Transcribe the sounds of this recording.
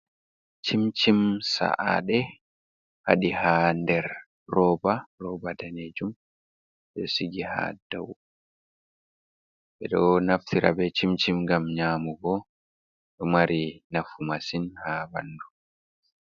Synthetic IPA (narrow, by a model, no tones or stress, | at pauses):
t͡ʃimt͡ʃimsa̰ʔa̰ɗɛ | ha̰ɗihandɛɾ | rɔbarɔbadaned͡ʒum | ɓɛsiɡiha̰daw | ɓɛɗɔnaft̪ʰiɾa̰bɛt͡ʃimt͡ʃimɡamɲamuɡɔ | ɗɔmaɾinafumasinhaba̰nːdu